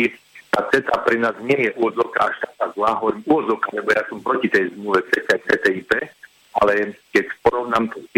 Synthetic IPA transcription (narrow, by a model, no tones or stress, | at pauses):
t̪at͡sɛt̪apɾɛnaːzɲɪɛjɛʔuʋɔd͡zɔʊkaaʃt̪at̪azlaɦɔʋɔɾimuʋɔd͡zɔwkalɛbɔjaːsɔmpɾɔcit̪ɛjzmluʋɛt͡sɛt̪ɛt͡sɛt̪ɛipɛː | alɛkɛcspɔɾɔʊnamt̪ɛ